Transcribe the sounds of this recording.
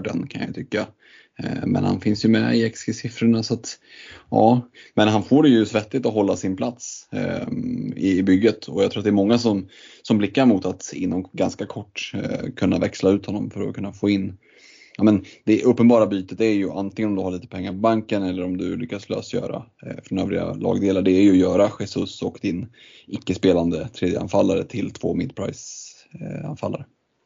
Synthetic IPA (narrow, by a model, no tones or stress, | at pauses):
ɖɛ̰nkʰanja̰jt̪ʰʏkːa | mɛ̰nha̰nfɪnsjɵmɛ̰ɪɛksɡəsɪfɾʊɳasɔat̪ | jɑ̰ːmɛnɦanfoːɖɛjɵsvɛt̪ːɪt̪ɔɦɔlːasɪnpʰlat̪s | ɪːbʏɡːət̪ʰɔjaɡt̪ʰɾːat̪d̪ɛɾmɔŋːasɔmsɔmblɪkːaɾmʊt̪at̪ɪ̰nːɔmɡanskakʰɔʈːkʰɵnːa̰vɛkslaʉ̟ːt̪hɔnːɔmfœɾɔ̰kʰɵnːafoːɪnː | amɛnd̪̥ɛʔɵpːənbɑːɾabyːt̪ət̪æɾjɵʔa̰nt̪ɪŋənɔmd̪ɵhaɭiːt̪ə̥pʰɛŋːaɾpɔbaŋkənɛlːəɾɔmd̪ɵlʏkːaslœ̰ːsjœ̰ːɾa̰fɾɔnøːvɾɪɡa̰lɑ̰ːɡd̪eːlaɖɛːɾjɵɔjœːɾaɧɛsɵsɔkd̪ɪn | ɪkːəspeːland̪ət̪ʰɾeːd̪jəʔa̰nfalːaɾə̰t̪ʰɪlt̪ʰvo̰ːmɪ̰d̪̚pʰɾa̰ɪs | a̰nfa̰lːa̰ɾə